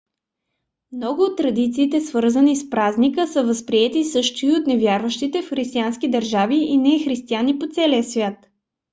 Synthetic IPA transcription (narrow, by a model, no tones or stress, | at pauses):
mnɔɡʊot̪ːɾɐd̪it̪siːt̪ɛsvɤɾzənispɾaznikəsəvəspɾiɛt̪isɤʃt̪oiot̪nɛvjaɾvəʃt̪it̪ɛfxɾist̪iansk̟id̪əɾʒaviinɛxɾist̪ianipot̪sɛliəsvʲjat̪